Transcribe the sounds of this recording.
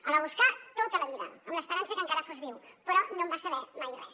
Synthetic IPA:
ələβ̞uskat̪ot̪ələβiðə̰əmləspəɾansəkəŋkaɾəfozβiwpəɾɔnõmbasəβɛmajres

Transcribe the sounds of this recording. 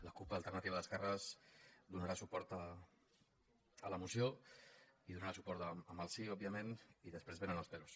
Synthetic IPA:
ləkupaəːlˠt̪ərnat̪iβaðəskarəzd̪unaɾasupɔɾt̪ə | ələmusijo | iðunaɾasupɔɾt̪əəməlˠsiɔbiəmeniðəspɾezβenənəlspelus

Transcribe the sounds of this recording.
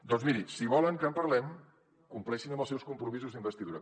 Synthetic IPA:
d̪ɔnzmiɾisiβ̞ɔləŋkəmpəɾlɛm | kumplɛʃinəmbəlˠsɛwskumpɾumizuzðimbəst̪iðuɾə

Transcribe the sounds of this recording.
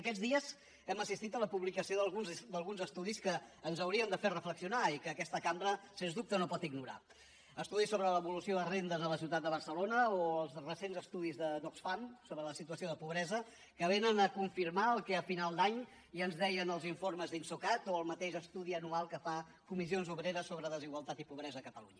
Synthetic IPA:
əkɛd͡zðiəz | ɛməsist̪it̪ələpuβlikəsioðəlˠɣund̪əlˠɣunzəst̪uðiskəːnzəwɾiənd̪əferəfləksiunaikəːkɛst̪əkambɾəsenzðup̚t̪ənopɔt̪iɡnuɾa̰ | əst̪uðisːoβɾələβulusioðərend̪əzðələsiwt̪at̪̚d̪əβərsəlonəoəlˠzrəsenzəst̪uðizðənoksfamsoβɾələsit̪uəsioðəpuβɾɛzə | kəβ̞enənəkuɱfiɾmaəlˠkɛəfinalˠd̪aɲ | iənzðɛjənəlˠziɱforməzðinsukat̪oəlˠmət̪eʃəst̪uðiənualˠkəfa | kumizionzuβɾeɾəsːoβɾəðəziɣwəlˠt̪at̪ipuβɾɛzəːkət̪əlṵɲə

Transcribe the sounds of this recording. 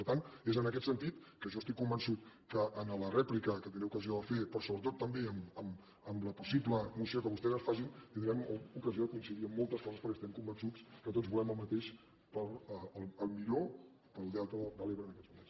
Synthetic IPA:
pəɾt̪anezənəkɛt̪sənt̪it̪kəʒɔst̪ikːumbənsut̪kəʔːnələrɛplikəkət̪inɾɛukəzioðəfepɾɔsoβɾət̪ot̪ːəmbeəməm | əmləpusipləmusiokəβust̪ɛzəsfasint̪ind̪ɾɛmukəzioəkunsiðiəmːɔlˠt̪əskɔəspəɾkɛest̪ɛmkumbənsut͡skət̪od͡zβulɛməlˠmət̪eʃ | pəɾəlˠəlˠmiʎo | pəlˠd̪eat̪əb̪əleβɾənəkɛzmunens

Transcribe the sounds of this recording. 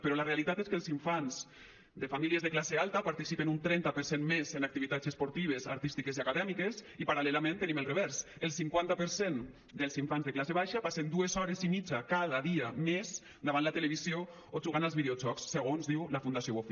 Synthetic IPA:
peɾɔlarealit̪at̪eskelˠziɱfanz | d̪efamiliezðeklasealˠt̪apaɾt̪isipenunt̪ɾɛnt̪apəɾsenmezenak̚t̪iβit̪at͡sespoɾt̪iβ̞eza̰ɾt̪ist̪ikeziakaðɛmikesipaɾalɛlamẽnt̪eniməlˠreβɛɾs | əlˠsiŋkwant̪apəɾsen | d̪elˠsiɱfanzðeklaseβ̞ajʃapasend̪uezɔɾezimid͡ʒakað̞aðiamez | d̪aβanlat̪eleβ̞izio | oʒuɣanalzβiðeod͡ʒɔksːeɣ̞onzðiwlafund̪asjoofi

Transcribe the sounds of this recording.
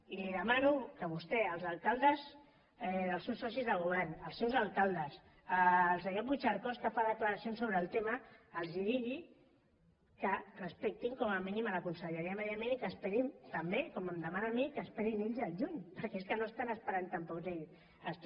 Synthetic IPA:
iliðəmanukəβust̪ɛəlˠzalˠkalˠd̪əz | ðəlˠsewsːɔs̬izðəlɣuβ̞ɛɾnəlˠsewzalˠkalˠd̪əs | əlˠsəɲoɾβut͡ʃaɾkɔskəfaðəkləɾasionsoβɾəːlˠt̪eməːlˠziðiɣi | kərəspɛk̚t̪iŋkɔməminimaləkunsəʎəɾiəməðiamẽnikəspɛɾimt̪ambekɔməmd̪əmanamikəspɛɾineʎzəlʒuɲpəɾkɛeskənoest̪anəspəɾant̪ampɔkzeʎs | əs

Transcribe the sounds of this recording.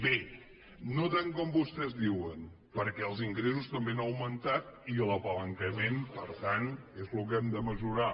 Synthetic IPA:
be | not̪aŋkɔmbust̪ɛzdiwən | pəɾkɛəlˠziŋɡɾes̬ust̪əmbenəwmənt̪at̪̚iləpələŋkəmenpəɾt̪anezluk̬ɛmd̪əməʒuɾa

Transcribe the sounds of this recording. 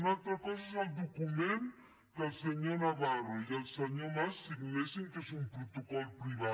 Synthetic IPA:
nalt̪ɾakɔs̬aseld̪okumẽn | kelseɲonaβaɾojelsaɲoɾmasːiɡlesẽŋkesũmpɾot̪okɔlpɾiβa

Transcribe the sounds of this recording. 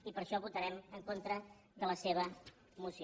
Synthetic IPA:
ipəɾʃɔβut̪əɾɛməŋkont̪ɾə | ðələseβ̞ə | musi

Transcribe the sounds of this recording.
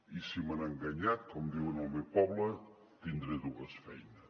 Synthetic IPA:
isimanaŋɡaɲat̪̚kɔmd̪iwenalˠmewpɔβlə | t̪ind̪ɾeðuəsfɛjnəs

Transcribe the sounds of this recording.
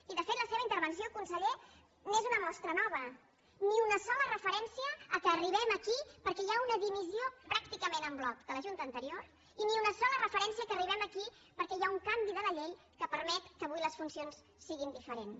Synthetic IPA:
iðəfet̪ləseβəint̪əɾβənsiokunsəʎe | nezunəmɔst̪ɾənɔβ̞ə | niunəsɔlərəfəɾɛnsiəːkəːriβ̞ɛməkipəɾkɛjaunəðimiziopɾakt̪ikəmenəmblɔk̚d̪̥ələʒunt̪əːnt̪əɾioɾ | iniunəsɔlərəfəɾɛnsiəkəriβɛməki | pəɾkɛjauŋkambiðələʎej | kəpəɾmɛt̪kəːβujləsfunsionsːiɣind̪ifəɾen

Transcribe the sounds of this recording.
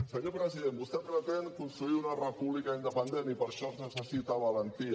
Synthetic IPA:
səɲopɾəziðembust̪ɛpɾət̪eŋkunst̪ɾuiunarəpuβlikaind̪əpənd̪enipəɾʃɔnəsəsit̪aβələnt̪ia

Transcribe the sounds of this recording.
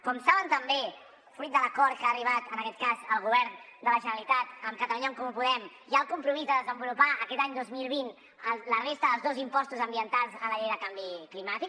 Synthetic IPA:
kɔmsaβənt̪əmbe | fɾut̪̚d̪ələkɔɾt̪̚kaːriβ̞at̪ənəkɛt̪̚kazəlˠɣuβ̞ɛɾnd̪ələʒənəlit̪at̪əmkət̪əluɲaŋkɔmupuðɛm | ʒaəlˠkumpɾumizðəðəzəmbulupaʔəkɛt̪aɲd̪ozmilˠβ̞in | ələrest̪əðəlˠzðozimpɔst̪uzəmbiənt̪alˠzələʎejðəkambiklimat̪ik

